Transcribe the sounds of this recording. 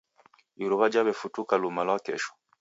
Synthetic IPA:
iɾuβad͡ʒaβɛfutukalumalwakɛʃɔ̥

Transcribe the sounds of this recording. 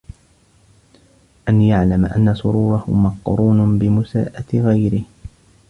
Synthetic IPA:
ʔanjaʕlamaʔa̰nːasʊɾuːɾˤɑhʊmɑqɾuːnbɪmʊsa̰ːʔat̪ɣajɾɪh

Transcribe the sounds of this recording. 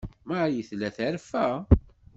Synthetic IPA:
majəθlæθæɾfæ

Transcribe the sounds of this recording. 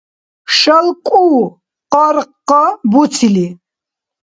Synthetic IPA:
ʃalkʼuː | qaɾqːabut͡sʰili

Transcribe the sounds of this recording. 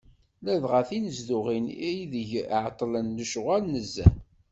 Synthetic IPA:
læðʁæθinəzðʊʁinjðəʝʕt̪ˤːlənːəʃʁælnəzːæ̰

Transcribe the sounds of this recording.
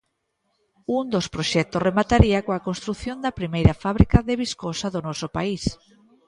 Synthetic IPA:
uŋd̪ospɾoʃɛk̚t̪oremat̪aɾiakoakõnst̪ɾuθjond̪apɾimejɾafaβɾikaðeβ̞iskosaðonɔsopais

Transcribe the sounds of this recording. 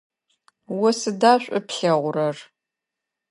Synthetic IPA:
wʊsɨdaːɕʷʼʊpɬɐʁʷʊrɐr

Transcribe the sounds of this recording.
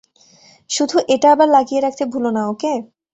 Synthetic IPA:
ʃud̪ʱuʔeʈaabaɾlaɡijeɾakʰt̪ʰebʱulonaoke

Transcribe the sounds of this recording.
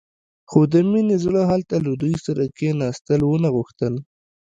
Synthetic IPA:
xod̪əminezlaɦalt̪alad̪ujsaɾakenɑst̪əlwonaɣʊxt̪əl

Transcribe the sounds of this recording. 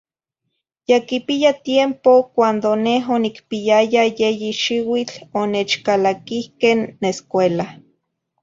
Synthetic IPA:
jakipiat̪jempokʷand̪oneɦonikpiajajejiʃiwit͡ɬoneːt͡ʃkalakihkenːeskʷela

